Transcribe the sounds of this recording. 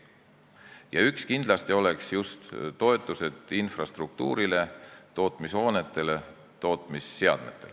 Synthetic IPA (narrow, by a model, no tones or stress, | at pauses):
jɑykskind̪̥lɑst̪io̞le̞ksjust̪ːo̞e̞t̪ːˑuse̞d̪̥infrɑst̪ruk̚t̪ṵːɾile̞t̪o̞ːt̪ˑmisho̞ːne̞t̪ːˑe̞le̞ | t̪o̞ːt̪ˑmisːeɑ̰d̪̥me̞t̪ːˑe̞l